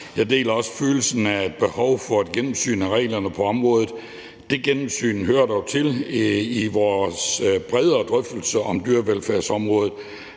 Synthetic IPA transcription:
jɑ̈ɪde̝̰ːlɐɒ̽sə̥føːl̩sn̩æed̥̚b̥e̝hɒʊfɒ̽æd̥ɡ̥enm̩sy̰ːnæʁɛ̰ɪlɐnəpʰɒ̽ɒ̽mʁɔ̽ːð̩ˠ | d̥e̝ɡ̥enm̩sy̰ːnɦøɐ̰d̥ɒʊt͡sʰe̝liʋɒːsb̥ʁɛð̞ˠɐːd̥ʁœfd̥l̩səʔɒ̽md̥yɐʋelfæɐ̰sɒ̽mʁɔ̽ːð̞̩ˠ

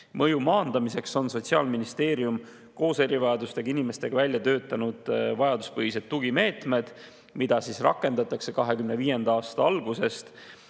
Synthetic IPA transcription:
mɤjumɑːnd̪̥ɑmise̞kso̞nso̞tʲsiɑ̰ːlminist̪e̞ːɾium | ko̞ːse̞ɾivɑjɑd̪ust̪e̞ɡ̥ɑinime̞st̪e̞ɡ̥ɑvælʲjɑt̪ø̞ːt̪ːˑɑnud̪̥vɑjɑd̪̥uspɤɦhise̞d̪̚tːuɡ̥ime̞ːt̪me̞d̪̥ | mid̪̥ɑsiːsrɑ̰kːˑe̞nd̪̥ɑt̪ːˑɑkse̞kɑɦe̞kymneviːje̞nd̪̥ɑɑːst̪ɑɑlɡ̥use̞st̪

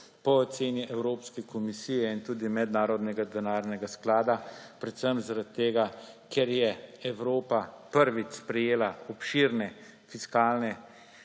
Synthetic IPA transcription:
pɔːt̪seːniʔɛwɾoːpskɛkʰɔmisiːjɛint̪uːd̪imɛd̪naːɾɔd̪nɛɡad̪ɛnaːɾnɛɡasklaːd̪apɾɛt̪səmzaɾat̪ːeːɡakʰɛɾjɛɛwɾoːpapəɾʋit͡ʃspɾɛjeːlaɔpʃiɾnɛ | fiskaːlnɛ

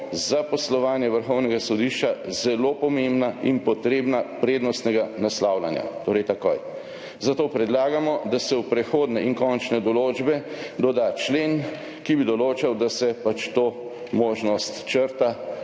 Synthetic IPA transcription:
zapɔslɔʋaːnjɛʋəɾxɔwnɛɡasɔd̪iʃt͡ʃazɛlopɔmembnainpɔt̪ɾeːbnapɾeːd̪nɔst̪nɛɡanaslaːwla̰nja̰t̪oːɾɛjt̪ako̰j | zat̪oːpɾɛd̪laːɡamɔd̪asɛwpɾɛxoːd̪nɛinkɔnt͡ʃnɛd̪ɔloːd͡ʒbɛd̪ɔd̪at͡ʃleːn | kibid̪ɔloːt͡ʃawd̪asɛpat͡ʃt̪oː | moːʒnɔst̪t͡ʃəɾt̪a

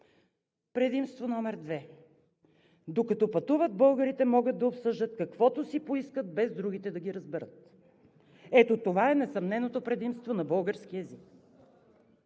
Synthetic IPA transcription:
pɾɛd̪imst̪vonɔmɛɾd̪vɛ | d̪okɐt̪ɔpɐt̪uvəd̪̚bɤlˠɡəɾit̪ɛmɔɡəd̪̚d̪ɐopsɤʒd̪ət̪̚kɐkvɔt̪osipoiskət̪̚bɛzd̪ɾuɡ̟it̪ɛd̪ɐɡʲiɾəzbɛɾət̪ | ɛt̪ot̪ovaɛnɛsɐmnɛnot̪opɾɛd̪imst̪vonɐbɤlˠɡəɾsk̟iɛzik

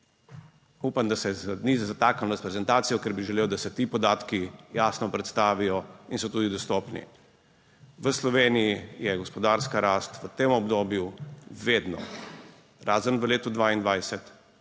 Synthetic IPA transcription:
uːpamd̪asɛzniːzzat̪aːkanɔspɾɛzɛnt̪aːt̪sijɔkɛɾbiʒɛleːwd̪asɛt̪iːpɔd̪aːt̪kijaːsnɔpɾɛt̪st̪aːʋijɔinsɔt̪uːd̪id̪ɔst̪ɔːpnḭ | ʋəslɔʋeːnijijɛɡɔspɔd̪aɾskaɾaːst̪ʋət̪emɔbd̪oːbjuʋeːd̪nɔ̰ | ɾaːzənʋəleːt̪ud̪ʋaːind̪ʋajsɛt̪

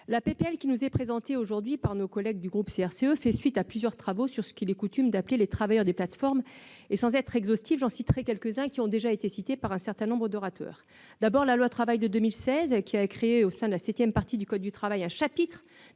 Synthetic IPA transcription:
lapepeɛlkʲinuzɛpχezɑ̃t̪eoʒuʁd̪ɥipaʁnokɔlɛɡ̚d̪yɡʁupseɛʁseøfɛsɥit̪aplyzjœʁt̪χavosyʁsə̥kilɛkut̪ymd̪aplelet̪χavajœʁd̪eplat̪fɔʁmesɑ̃zɛt̪χɛɡzɔst̪ivʒɑ̃sit̪ʁɛkʲɛlkəzɛ̃kʲiɔ̃d̪eʒaet̪esit̪epaʁɛ̃sɛʁt̪ɛ̃nɔ̃bʁəd̪ɔʁat̪ʰœ̰ːʁ | d̪̥abɔʁlalwat̪χavajd̪əd̪ømilsɛzkʲiaɛkχeeosɛ̃d̪əlasɛt̪jɛmpaʁt̪id̪ykɔd̪̚ːyt̪χavajɛ̃ʃapit̪χ

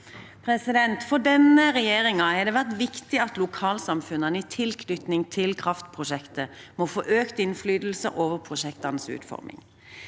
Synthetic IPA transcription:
pʰɾɛsɪd̪ɛnt̪fɔʁɖ̪ɛnəʁɛjeːɾɪŋɑhɛd̪eːʋæʁt̪ʋɪkt̪ɪɑt̪lʊkʰɑːlsɑmfʉnənəiːt̪ʰɪlkʰnʏt̪nɪŋt̪ʰɪlkʰʁɑft̪pʰʁʊʃɛkt̪əmoːfoːʔøːkt̪ɪnflyːd̪l̩sə̰ʔoːʋəʁpʰʁʊʃɛkt̪ɑnəsʉ̰ːt̪fɔ̰ʁmʔɪ̰ŋ

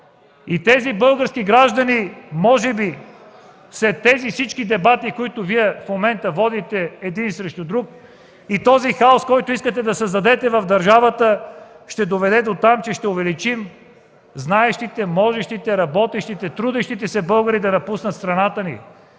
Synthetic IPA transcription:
it̪ɛzibɤlˠɡəɾskiɡɾaʒd̪ɐnimɔʒɛbi | slɛt̪ːɛzifsit͡ʃkid̪ɛbat̪ikoit̪ʊviɛfmomɛnt̪əvɔd̪it̪ɛːd̪insɾɛʃt̪ʊd̪ɾuk̚ | it̪ɔzixaoskɔjt̪ʊiskət̪ɛd̪ɐsɐzd̪ɐd̪ɛt̪ɛvɐvd̪ɐɾʒavət̪ə | ʃt̪ɛd̪ovɛd̪ɛd̪ot̪amt͡ʃɛʃt̪ɛʊvɛlit͡ʃim | znaɛʃt̪it̪ɛmɔʒɛʃt̪it̪ɛɾɐbɔt̪ɛʃt̪it̪ɛt̪ɾud̪ɛʃt̪it̪ɛsɛbɤlˠɡəɾid̪ɐnɐpusnət̪st̪ɾɐnat̪ənḭ

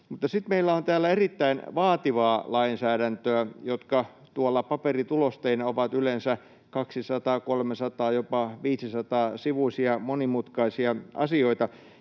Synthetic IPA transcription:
mut̪ːɑsit̪meilːæont̪æːlːæerit̪ːæinʋɑːt̪iʋɑːlɑinsæːɾænt̪øæjot̪kɑ | t̪uolːɑpɑperit̪ulost̪einɑoʋɑt̪ylensæ | kɑksisɑt̪ɑːkolmesɑt̪ɑːjopɑʋiːsisɑt̪ɑːsiʋuisiɑmonimut̪kɑisiɑɑ̰sioit̪ɑ

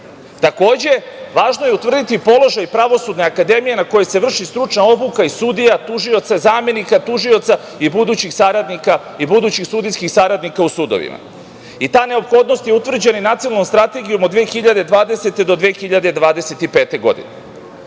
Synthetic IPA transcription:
t̪ako̞ːd͡ʑeʋaːʒnojeut̪vr̩d̪it̪ipo̞lˠo̞ʒajpɾaʋo̞sud̪neakad̪e̞mije̞nako̞jese̞ʋr̩ʃist̪ɾut͡ʃnao̞bukaisud̪ijat̪uʒio̞t̪sazaːme̞nikat̪uʒio̞t̪sa | ibud̪uːt͡ɕixsaɾad̪nika | ibud̪uːt͡ɕixsud̪ijskixsaɾad̪nikausud̪oʋḭma̰ | it̪aːne̞o̞pxo̞d̪no̞st̪jeut̪ʋr̩d͡ʑeninat̪sionanomst̪ɾat̪e̞ɡijumod̪ʋeːxiʎad̪e̞d̪ʋaːd̪e̞se̞t̪e̞d̪o̞d̪ʋeːxiʎad̪e̞d̪ʋaːd̪e̞se̞t̪ipe̞ːt̪e̞ɡo̞̰d̪ḭne

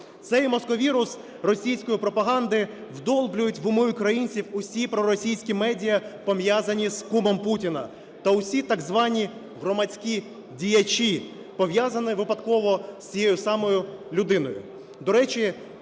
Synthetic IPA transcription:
t̪sɛjmɔskɔʋʲiɾʊs | rɔsʲijsʲkɔjipɾɔpɐɦɑnd̪ɪ | wd̪ɔlˠblʲʊjʊtʲʋʊmʊjʊkɾɐjinʲt͡sʲiwʊsʲipɾɔɾɔsʲijsʲkʲimɛdʲijɐpɔmjazɐnʲizkumɔmputʲinɐ̰ | t̪ɐʊsʲit̪ɐɡzʋɑnʲi | ɦɾɔmɐt͡sʲkʲi | dʲijɐt͡ʃʲi | pɔʋjazɐnɪʋɪpɐd̪kɔʋɔsʲt͡sʲijɛjʊsɑmɔjʊlʲʊd̪ɪnɔjʊ̰ | d̪ɔɾɛt͡ʃʲɪ

